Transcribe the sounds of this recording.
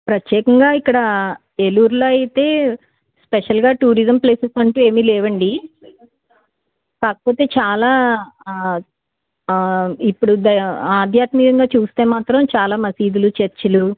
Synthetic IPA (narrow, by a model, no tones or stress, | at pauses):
pɾɐt̪jɛːkɐŋɡaːikːɐɽɐ | eluɾloːɐjit̪e̞ː | speʂɐlɡaːʈuːɾizɐmpleːsɐsɐɳʈuːe̞ːmiːlɛːʋɐɳɖi | kaːkɐ̥po̞ːt̪e̞ːt͡ʃaːlaː | ipːuɽud̪ɐaːd̪ʱjaːt̪mikɐŋɡaːt͡ʃuːst̪e̞ːmaːt̪ɾɐmt͡ʃaːlaːmɐsiːd̪ulut͡ʃeɾt͡ʃːɐlu